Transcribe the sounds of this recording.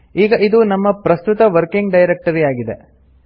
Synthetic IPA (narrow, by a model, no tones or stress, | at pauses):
iːɡɐʔid̪unɐmːɐpɾɐst̪ut̪ɐʋɐɾkiŋɡɖɐjɾek̚ʈɐɾijaːɡid̪ḛ